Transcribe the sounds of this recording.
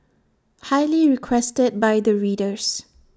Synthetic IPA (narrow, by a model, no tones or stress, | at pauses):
hajliɹikʰwɛstəd̚bajd̪əɹiːdəs